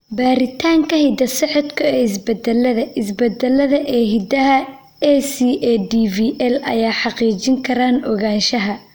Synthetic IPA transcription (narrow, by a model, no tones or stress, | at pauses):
baːɾɪt̪ʰaːŋkʰɐhɪd̪ɐsɛʕɔd̪kʰʊɛːɪsbɛd̪ɛlːɐðɐʔɪsbɛd̪ɛlːɐðɐʔɛːɦɪd̪ɐɦɐ | ɛsiɛdiviʔɛlɐ̰jaːħɑqiːt͡ʃɪŋkʰɐɾaːnɔɣaːnʃɐɦɐ